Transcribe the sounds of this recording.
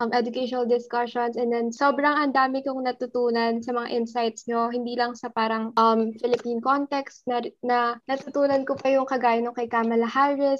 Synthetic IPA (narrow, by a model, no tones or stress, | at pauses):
ʔɐmʔɛd̪ʊkɛʃonɐld̪ɪskɐʃonsɛnd̪ɛnsoːbɾɐŋɐnd̪aːmɪkʊŋnɐt̪ʊt̪uːnɐnsɐmɐŋa̰ʔɪnsajt̪sɲo̞ɦɪnd̪iːlɐŋsɐpaːɾɐŋʔɐmfɪlɪpinkont̪ɛkst̪nɐnɐnɐt̪ʊt̪uːnɐnkopɐjʊŋkɐɡaːjɪnokɐjkaːmɐlɐhaɹɪs